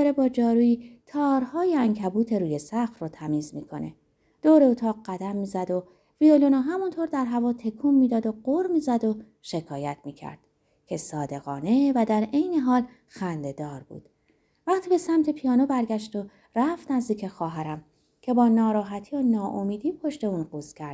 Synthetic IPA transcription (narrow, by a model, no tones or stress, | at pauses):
ɾebɒːd͡ʒɒːɾuːiːt̪ʰɒːɾhɒːjeæŋcʰæbuːt̪ʰe̞ɾuːje̞sæxrot̪ʰæmiːzmiːkʰo̞̰ne̞̰ | d̪̥oːɾeot̪ʰɒːʁɢæd̪æmːiːzæd̪o̞ | violonoɦæmunt̪ʰoɾd̪æɾɦævɒːt̪ʰe̞kʰuːmːiːd̪ɒːd̪o̞ɢoɾmiːzæd̪o̞ | ʃe̞kʰɒːjæt̪ʰmiːcʰæ̰ɾd̪̥ | cʰe̞sɒːd̪e̞ɣɒːne̞væd̪æɾe̞jne̞ɦɒːl | xænd̪e̞d̪ɒːɾbṵːd̪̥ | væχt̪ʰiːbe̞sæmt̪ʰe̞pʰijɒːnobæɾɡæʃt̪o | ræft̪næzd̪iːcʰexɒːɦæɾæm | cʰe̞bɒːnɒːɾɒːɦæt̪ʰiːonɒːʔomiːd̪iːpʰo̞ʃt̪e̞uːnɢuːzcʲʰæɾd̪̥